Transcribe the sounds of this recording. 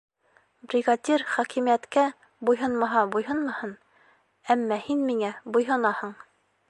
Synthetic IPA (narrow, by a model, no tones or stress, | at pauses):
brʲɪɡadʲerχækimijæt̪kæ | bujɦɤnmɑɦɑbujhɤnmɑhɤn | æmːɑhinmiŋæbujɦɤ̆nɑhɤɴ